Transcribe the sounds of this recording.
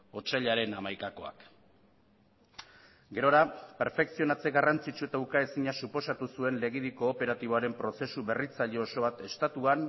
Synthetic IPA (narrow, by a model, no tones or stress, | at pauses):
o̞t͡ʃaʎaɾe̞namajkako̞a̰k | ɡe̞ɾo̞ɾape̞ɾfe̞ksio̞nat͡se̞ɡarant͡sit͡ʃue̞t̪aukae̞siɲasupo̞sat̪usue̞nle̞ɣ̞iðiko̞ːpe̞ɾat̪iβ̞aɾe̞mpɾo̞se̞suβe̞rit͡saʎeoso̞βat̪e̞st̪at̪uan